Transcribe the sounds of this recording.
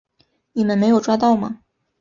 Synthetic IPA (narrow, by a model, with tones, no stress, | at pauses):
ni˨˩mə˦nme˧˥ɪjo˨˩ʊʈ͡ʂwa˥t̪ɑ˥˩ʊmɐ̰˩